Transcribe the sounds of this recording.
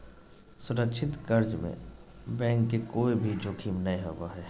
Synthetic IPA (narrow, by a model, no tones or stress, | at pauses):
sʊɾəkʃʰɪt̪kəɾd͡ʒmḛ̃ | bɛ̃ːŋkːekoːibʱid͡ʒoːkʰiːmnɐɦĩɦoːɡaɦɛː